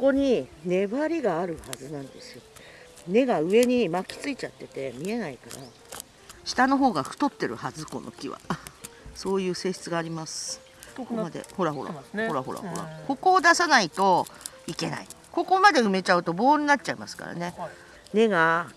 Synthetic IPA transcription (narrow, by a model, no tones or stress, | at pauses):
koko̞ɲ̟ine̞βaɾʲiɡaːɾɯ̟hazɨnãnd̪e̞sɨo | ne̞ɡaɯ̟e̞ɲ̟imakʲi̥t͡sɨit͡ɕat̪ːe̞t̪e̞mʲie̞naikaɾa | ɕi̥t̪ano̞ɦo̞ːɡaɸɯ̥t̪o̞t̪ːe̞ɾɯ̟hazɨko̞nʔo̰kʲiβa̰ | so̞ːjɯ̟ːse̞ːɕi̥t͡sɨɡaːɾʲimasɨ̥ | omad̪ḛho̞ɾaɦo̞ɾa̰hoɾaɦo̞ɾa̰ho̰ɾa̰ko̞ko̞ːd̪asanait̪o̞ | ike̞na̰i | ko̞ko̞mad̪e̞ɯ̟me̞t͡ɕaɯ̟t̪o̞bo̞ːɲ̟inat̚t͡ɕaima̰sɨ̥ka̰ɾa̰ne̞ | ne̞ɡa